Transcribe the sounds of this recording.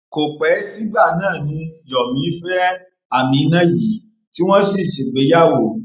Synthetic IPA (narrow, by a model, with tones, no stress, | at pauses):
ko˨k͡pɛ˨˦si˦ɡ͡ba˦˨nãː˦˨nĩ˧˦jɔ˨mĩ˨˦fɛ˦ | a˦˨mĩ˨˦nã˦ji˨˦ | ti˦w̃ɔ̃˦si˦˨ʃe˨ɡ͡be˨˦ja˦wo˦˨